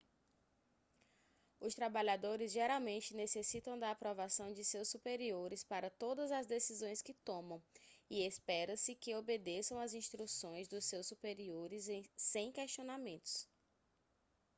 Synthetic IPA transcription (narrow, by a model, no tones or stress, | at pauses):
ʊst̪ɾabaʎad̪oɾɪzʒeɾawmẽnt͡ʃɪnesesit̪ɐ̃w̃d̪ɐapɾovasɐ̃w̃d͡ʒɪsewsːupeɾioɾɪspaɾɐt̪od̪ɐzɐzd̪esizõj̃skɪt̪õmɐ̃w̃iespɛɾɐsɪkɪobed̪esɐ̃w̃ɐzĩʃt̪ɾusõj̃zd̪ʊsewsːupeɾioɾɪzẽsẽj̃kɛʃt͡ʃionamẽnt̪ʊ̥s